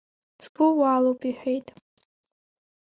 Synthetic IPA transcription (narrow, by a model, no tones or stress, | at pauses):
sbʊwaːlowpʰʼiħʷᶣejtʼ